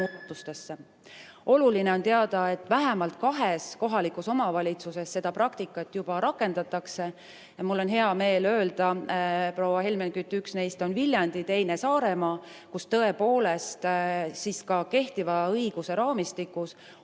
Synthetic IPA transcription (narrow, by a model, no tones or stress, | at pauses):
ut̪ːˑust̪e̞sːe | ʔo̞luline̞o̞nt̪e̞ɑd̪̥ɑe̞t̪ːˑvæɦemɑlt̪̚kɑɦesko̞ɦɑlikuso̞mɑvɑlʲit̪suse̞sːe̞d̪̥ɑpɾɑkt̪ikːˑɑt̪ːˑjub̥ɑɾɑkːˑe̞nd̪̥ɑt̪ːˑɑkse̞ | jɑmulːo̞nɦe̞ɑme̞ːlø̞ːld̪̥ɑpro̞wːɑɦe̞lmenkyt̪ːˑyksne̞jst̪o̞nvilʲjɑnd̪̥it̪e̞jne̞sɑːɾe̞mɑːkust̪ɤ̞e̞po̞ːle̞st̪siːskɑke̞ht̪ivɑɤjɡ̥use̞ɾɑːmist̪ikːˑus